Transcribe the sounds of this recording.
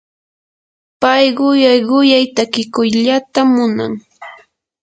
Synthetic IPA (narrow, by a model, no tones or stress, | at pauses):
pajɢʊjajɢʊjajt̪akɪkʊjʎat̪amʊna̰ŋ